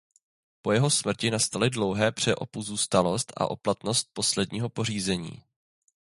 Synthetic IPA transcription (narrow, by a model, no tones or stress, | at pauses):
po̞jɛɦo̞smr̩cɪnast̪alɪdlo̞wɦɛːpr̝̥ɛʔo̞̰puzuːst̪alo̞st̪ʔa̰ʔo̞plat̪no̞st̪̚po̞slɛdɲiːɦo̞po̞riːzɛɲḭː